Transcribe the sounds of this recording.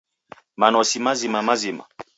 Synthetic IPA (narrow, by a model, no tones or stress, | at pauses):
manɔsimazimamazima̰